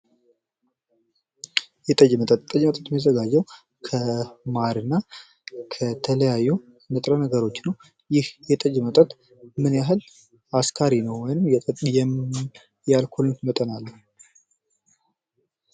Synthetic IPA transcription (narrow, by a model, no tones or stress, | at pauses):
jɛt̪ʼəd͡ʒmət̪ʼət̪t̪ʼːəd͡ʒmət̪ʼət̪məzəɡad͡ʒːɛw | kʰəmaɾɨnːa | kʰət̪ʰələjajːu | nɨt̪ʼɾənəɡəɾo̞t͡ʃːnəw | jɪhjɛt̪ʼəd͡ʒmət̪ʼət̪ | mɨnjaɦɨl | askʰaɾinəwːɔjnɨmjɛt̪ʼəjɛ | jalkʰolɨnt̪mət̪ʼənalːə